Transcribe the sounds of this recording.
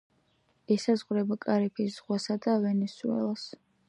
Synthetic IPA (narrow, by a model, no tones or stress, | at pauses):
ɛsazʁɾɛbakʼaɾipʰisz̥ʁwasad̪avɛnɛsuɛ̰lˠs